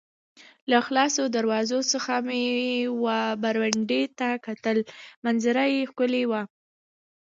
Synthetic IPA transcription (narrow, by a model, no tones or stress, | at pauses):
laxlɑsod̪aɾwɑzosəxamewabaɾwaɳɖet̪akat̪əlmanzaɾajexkʊlewa